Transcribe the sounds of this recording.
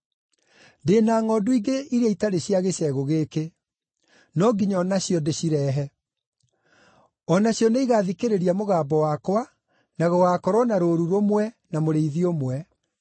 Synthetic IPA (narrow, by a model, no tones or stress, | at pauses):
deːnaːŋɔduiɡeiɾeaitaɾeɕiaɣeɕɛɣoɣeke | nɔɡiɲɔnaɕjɔdeɕiɾɛːɦɛ | ɔnaɕjɔneiɣaðikeɾeɾiamoɣaːbɔwakwa | naɣɔɣakɔɾɔnaɾoːɾuɾomwɛ | namoɾeiðiomwɛ